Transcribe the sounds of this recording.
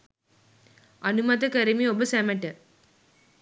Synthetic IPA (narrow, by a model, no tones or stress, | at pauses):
ɐnumɐt̪ɐkɐɾimiobɐsɐmɐʈːɐ